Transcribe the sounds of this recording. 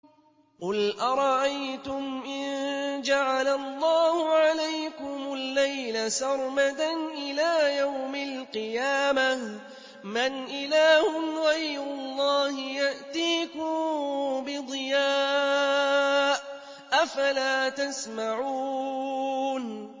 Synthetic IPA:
qʊlʔɑɾˤɑʔajt̪ʊmʔɪnd͡ʒaʕalalˤːɑːhʊʕalajkʊmʊlːajlasɑɾˤmat̪anʔɪlaːjawmalqɨjaːma | manʔɪlaːhʊnɣɑjɾʊlˤːɑːhɪjaʔt̪iːkʊmbɪd̪ˤɨjaː | ʔ | ʔafalaːt̪asmaʕuː | n

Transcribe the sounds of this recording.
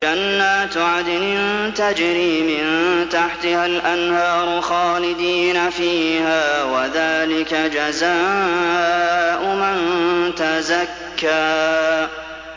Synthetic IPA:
d͡ʒanːaːt̪ʕad̪ɪnɪnt̪ad͡ʒɾiːmɪnt̪aħt̪ɪhalʔanhɑːɾˤʊxɑːlɪd̪iːnafiːhaːwaðaːlɪkad͡ʒazaː | ʔʊmant̪azakːaː

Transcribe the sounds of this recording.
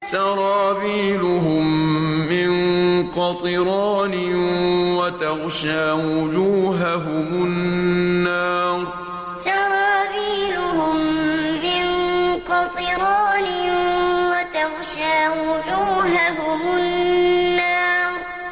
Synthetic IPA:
t̪ɑɾˤɑːbiːlʊhʊmːɪŋqɑt̪ˤɨɾɑːnɪwat̪ɑɣʃaːwʊd͡ʒuːɦaɦʊmʊnːaːɾˤ | t̪ɑɾˤɑːbiːlʊhʊmːɪnqɑt̪ˤɨɾɑːnɪwat̪ɑɣʃaːwʊd͡ʒuːɦaɦʊmʊnːaːɾˤ

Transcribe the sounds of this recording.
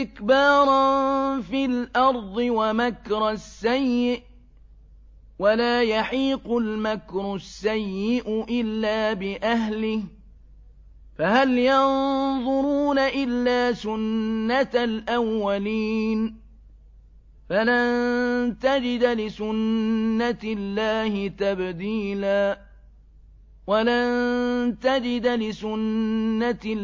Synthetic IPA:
ɪkbɑːɾˤnfilʔɑɾˤd̪ˤɨwamakɾˤasːajːɪʔ | walaːjaħiːqʊlmakɾˤʊsːajːɪʔʊʔɪlːaːbɪʔaɦlɪh | fahaljɑnðˤʊɾuːnaʔɪlːaːsʊnːat̪alʔawːaliːn | falannt̪ad͡ʒɪd̪lɪsʊnːat̪ɪlːaːhɪt̪abd̪iːlaː | walant̪ad͡ʒɪd̪lɪsʊnːa

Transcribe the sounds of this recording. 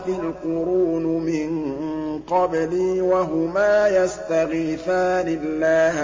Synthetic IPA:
falqʊɾuːnmɪnqɑbliːwaɦʊmaːjast̪aɣiθaːnɪlːaː

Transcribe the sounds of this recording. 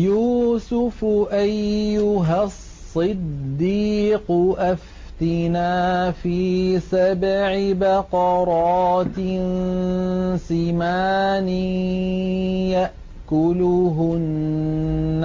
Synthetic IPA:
juːsʊfʊʔajːʊɦassːɨd̪ːiːqʊʔaf | t̪ɪnaːfiːsabʕɪbaqɑɾˤɑːt̪ɪn | sɪmaːni | jaʔ | kʊlʊɦʊnː

